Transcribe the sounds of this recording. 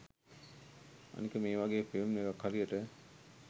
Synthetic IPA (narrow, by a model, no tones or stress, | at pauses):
a̰nikəmeːʋaɡeːpeomneʋakhaɾijəʈə